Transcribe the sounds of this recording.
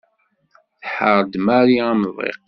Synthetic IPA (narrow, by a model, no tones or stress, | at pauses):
θħəɾˤd̪maɾiaməðˤḛq